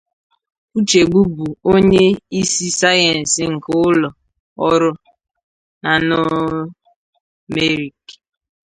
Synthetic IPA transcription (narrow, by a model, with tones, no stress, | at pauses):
u˦t͡ʃe˨ɡ͡bu˦bu˨o˦ɲe˦i˦si˦sa˦jɛ˨n̩˨sɪ˦ŋ̩˨kʊ˦lɔ˨ | ɔ˦ɾʊ˦ | na˨no˦ | me˦ɾi˨k